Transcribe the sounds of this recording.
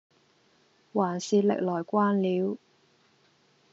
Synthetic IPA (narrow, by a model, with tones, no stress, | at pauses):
waː˨˩nsiː˨˧lɪ̰˨k̚lɔː˨˩jkʷaː˥nliː˨˥w